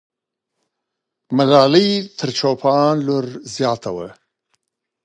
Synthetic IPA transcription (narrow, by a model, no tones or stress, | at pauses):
malɑːlijt̪ʰəɾt͡ʃopʰɑnloɾzjɑːt̪ʰawə